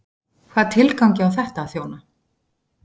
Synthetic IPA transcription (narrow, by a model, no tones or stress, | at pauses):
kʰvaːðt̪ʰɪlkawcɪawθɛht̪aːðθjoːwna